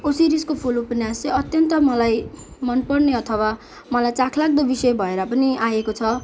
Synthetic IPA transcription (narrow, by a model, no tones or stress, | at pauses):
osiɾiskopʰulupenjasleʌt̪jʌnt̪ʌmʌlaj | mʌnpʌrneʌt̪ʰʌwa | mʌlajt͡sakʰlaɡ̚d̪ʌbisʌbʱʌeɾʌpʌniajekot͡sʰʌ